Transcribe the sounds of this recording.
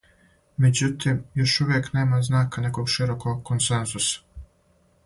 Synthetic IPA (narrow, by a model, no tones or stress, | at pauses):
med͡ʑut̪imjo̞ʃuʋjekne̞ːmaznaːkane̞koɡʃiɾokoɡkonsenzusḁ